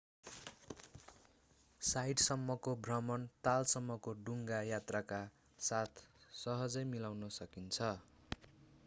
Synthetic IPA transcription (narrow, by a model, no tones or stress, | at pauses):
sajʈsʌmːʌkobʱrʌmʌnt̪alsʌmːʌkoɖuŋɡajat̪raka | sat̪ʰsʌɦʌd͡zʌjmilawnʌsʌkint͡sʰʌ